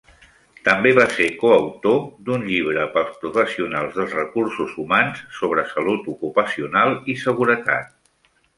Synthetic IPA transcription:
t̪əmbeβasekoəwt̪od̪unʎiβ̞ɾəpəlˠspɾufəsiunalˠzðəlˠzrəkursuzumansːoβ̞ɾəsəlut̪ukupəsiunalˠisəɣ̞uɾət̪a̰t̪̚

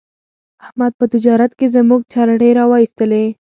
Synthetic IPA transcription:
ahmad̪̚pət̪ɪd͡ʒɑɾat̪kezəmuɡ̚t͡ʃɑɾaɖeɾɑwɑist̪əle

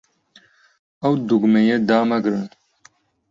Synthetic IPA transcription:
ɐwd̪uɡmejed̪aːmɐɡɾɨn

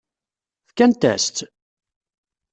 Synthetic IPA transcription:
θkænt̪æ̰st̪

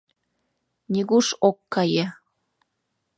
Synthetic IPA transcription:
nʲiɣuʃokːɑjĕ

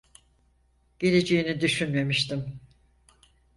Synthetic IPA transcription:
ɟ̥e̞lʲed͡ʒejinid̪yʃynme̞miʃt̪ʰim

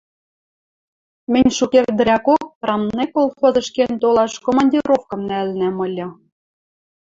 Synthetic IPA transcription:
mɘ̆nʲʃukerd̪əɾʲækok̚rɑmnekolˠxozɤ̆ʃkent̪olˠɑʃkomɑnʲdʲiɾofkɤ̆mnælnæmɤ̆lʲɤ̆

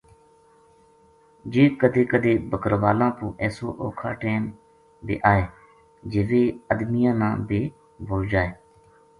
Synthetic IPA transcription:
d͡ʒeːkəd̪eːkəd̪eːbəkəɾʋaːlãːpũːʔɛːso̰ːʔoːkʰa̰ːʈeːm | bḛːʔaːeː | d͡ʒeːʋeːəd̪mɪjãːnãːbeː | bʱoːd͡ʒaːeː

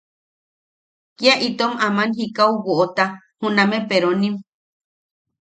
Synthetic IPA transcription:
kiaʔit̪omamanɦikawβoʔot̪a | hũnãmepeɾonĩm

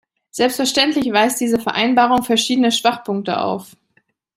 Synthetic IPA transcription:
z̥ɛlpstfɛɐʃtɛntlɪçv̥aɪsd̥iːzəfɛɐʔaɪnbaːʁʊŋfɛɐʃiːdənəʃv̥aχpʰʊŋk̚tə̰ʔa̰ʊf

